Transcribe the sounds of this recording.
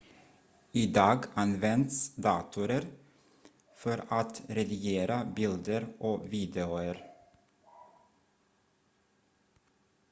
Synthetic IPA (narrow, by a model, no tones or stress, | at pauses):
iːd̪ɑːɡʔɑnʋɛnt̪sd̪ɑ̰ːt̪ʰʉɾəɾ | fɔɾɑt̪ɾɛd̪ʏjeːɾəbɪld̪əɾʔoːʋiːd̪ɛʊəɾ